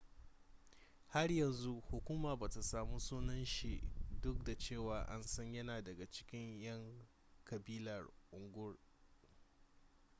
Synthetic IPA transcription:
ha˦rjɐ˨nzu˦hʊ˨kʷuː˦maː˨baː˨ta˨saː˨mu˦suː˦nɐ˦nʃi˨ʔdʊ˦k̚da˨t͡ʃeː˦˨waː˨ʔa˦nsɐ˦ɲjɐ˦naː˨dɐ˨ɡa˨t͡ʃɪ̥˦kʲɪ˦ɲjɐ˦ŋ | kɐ˨biː˦lɐ˨rʔʊ˨ŋɡʷʊ˦r

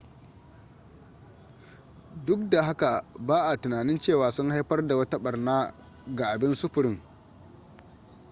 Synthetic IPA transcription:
dʊ˦k̚da˨ɦa˦ka˨baː˦ʔa˨tʊ˨naː˨nɪ˦nt͡ʃeː˦˨waː˨sʊ˦ŋha˦jɸɐ˦rda˨wɐ˦ta˦ɓɐ˨rnaː˦ | ɡa˨ʔa˨bɪ˦nsʊ˦ɸʊ˨ɾɪ˦ŋ

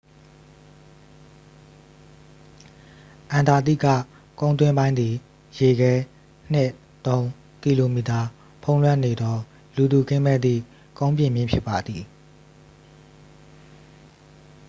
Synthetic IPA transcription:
ʔã˨nda˨d̪ḭ˦˨ɡä̰˦˨ | kõ˦ʊ̃nt̪̬wɪ̃˦mbã˦ɪ̃nd̪i˨ | je˨ɡɛ˦ | n̥ɪ˦˨ | t̪õ˦ʊ̃ | ki˨lo˨mi˨ta˨ | pʰõ˦ʊ̃lwɛ̃˦˨ne˨d̪ɔ˦ | lu˨d̪u˨kɪ̃˦mɛ˦˨d̪ḭ˦˨ | kõ˦ʊ̃mpjɪ̰̃˨mjɪ̰̃˦˨pʰɪ˦pːa˨d̪ði˨

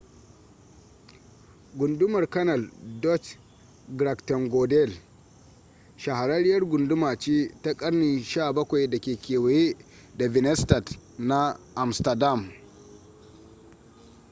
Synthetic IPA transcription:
ɡʷʊ˨ndʊ˦mɐ˨rkɐ˦nɐ˨ldɔ˦t͡ʃ | ɡɾa˨ktɔ˨ŋɡɔ˨dɛ˦˨l | ʃa˨ha˨ɾɐ˦ɾɪ˦jɐ˦rɡʷʊ˨ndʊ˦maː˨t͡ʃeː˦ta˦kʼɐ˦rni˨nʃaː˦˨bɐ˦kʷa˨jda˨kʲeː˨kʲeː˨we˨je˦ | da˨vɪ˨nɛ˦stɐ˨tna˦ʔa˨mstɐ˨da˦˨m

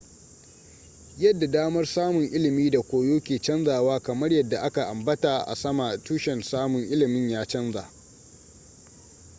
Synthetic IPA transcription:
jɐ˦dːa˨daː˦mɐ˦rsaː˦mʊ˨ŋʔɪ˦lɪ˨miː˦da˨kʷoː˨joː˦kʲeː˨t͡ʃɐ˦nzaː˨waː˦kɐ˨mɐ˦rjɐ˨dːa˨ʔa˦ka˨ʔa˨mbɐ˦taː˨ʔa̰˨sɐ˦ma˨tuː˦ʃɛ˨nsaː˦mʊ˨ŋʔɪ˦lɪ˨mɪ˦ɲjaː˦t͡ʃɐ˦nzaː˨

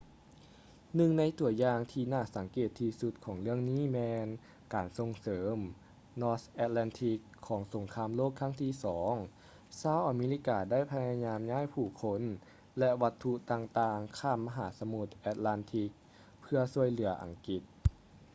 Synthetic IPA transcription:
nɯ˧ŋna˧˥jt̪u˨˩ɐjaː˧ŋt̪ʰiː˧naː˧˩sa˩˦ŋkeː˨˧˩t̪ʰːi˧su˧˦t̪̚kʰɔː˩˦ŋlɯ˥˩əŋniː˥˨mɛː˧n | kaː˨˩nso˧ŋsɤː˩˦m | nɔː˧sʔɛː˧t̪̚laː˧nt̪ʰi˧kʰːɔː˩˦ŋso˨˩˦ŋkʰaː˧mloː˥˩kʰːa˦˥˩ŋt̪ʰiː˧˩sɔː˩˦ŋ | saː˧˥˩wʔa˨˧meː˧li˧˥kaː˧˩da˥˩jpʰa˧ja˧ɲaː˧mɲaː˥˨jpʰuː˧˩kʰo˧˥n | lɛ˧ʋa˧˥t̪ʰːu˧ʔt̪aː˧ŋt̪aː˧ŋkʰaː˧˥˩mːa˧ɦaː˩˦sa˧mu˧˩t̪̚ʔɛː˧t̪̚la˧nt̪ʰi˧˦k̚ | pʰɯ˧ɐsu˧˥˩əjlɯ˨˩˦ɐʔa̰˨˩ŋki˧˩t̪̚

